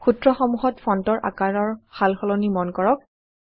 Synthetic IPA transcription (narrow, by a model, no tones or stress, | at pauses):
xutɹɔxɔmuɦɔtfʰɹɔntɔɹʔa̰kaɹɔɹxalxɔlɔnimɔnkɔɹɔk̚